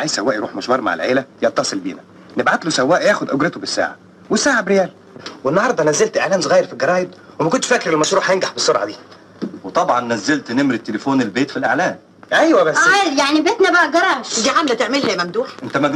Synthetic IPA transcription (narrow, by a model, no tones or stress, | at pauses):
ʕajzsæwæːʔjeɾuːħmoʃbɑɾˤmaʕḛlʕeːlæjɑt̪ːɑsˤelbḭːnæ | nebʕat̪losæwːæːʔjæːxod̪ʔoɡɾet̪obesːæ̰ːʕa̰ | wesːaːʕabɾejæːl | wenːɑhɑɾˤd̪ˤɑnæzːelt̪ʔeʕlæːmsˤoɣæːjeɾfilɡɑɾˤɑːjeb̪̚ | wemækont̪ʃfækɾelmɑʃɾuːħhæjenɡaħbesːoɾʕɑ̰d̪iː | wet̪ˤɑbʕɑnːæzːelt̪nemɾit̪ːelefoːnelbeːt̪filʔeʕlæːm | ʔæjwæbæsæjaʕnibeːt̪næbæʔæɡɑɾˤɑːʃd̪iʕamlæt̪eʕmelhæmæmd̪uːħʔent̪æmæɡ